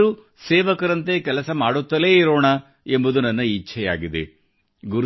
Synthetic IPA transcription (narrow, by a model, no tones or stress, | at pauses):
ɾu | sɛːʋɐkɐɾɐnt̪ekɛlɐsɐmaːɽut̪ːɐleːiɾoːɳɐ | embud̪unɐnːɐit͡ʃːt͡ʃʰɛjaːɡid̪e | ɡuɾ